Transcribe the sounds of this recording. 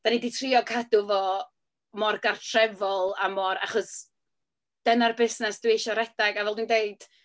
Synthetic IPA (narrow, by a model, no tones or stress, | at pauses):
d̥aniditʰriɔkʰadʊvɔ | mɔrɡartʰrɛvɔlˠamɔɾa̰χɔs | d̥ənarbɪsnɛsd̥uwejʃɔɾɛdaɡavɛlˠdwndejd̥